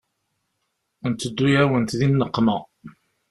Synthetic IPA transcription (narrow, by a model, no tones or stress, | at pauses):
nt̪ːəd̪ːujæwənt̪ðinːəqːmæ